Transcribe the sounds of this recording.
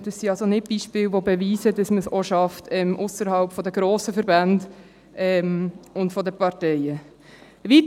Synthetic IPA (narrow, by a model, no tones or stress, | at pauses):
d̥ɑsːiɑlsonɪt̚b̥iːʃpɪːlʋobeviːsədɑsməsɔʃɑftʰɛmʔʊsəɾɦɑlpfɔdəɡɾoːsəfəɾbænd | ʔɛmʊntfɔdəpɑɾtɛɪə | vit